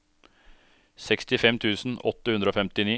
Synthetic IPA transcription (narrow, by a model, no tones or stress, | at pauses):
sɛkst̪ɪfɛmt̪ʰʉːsn̩ɔ̰t̪ːəʉnd̪ɾəoːfɛmt̪ɪniː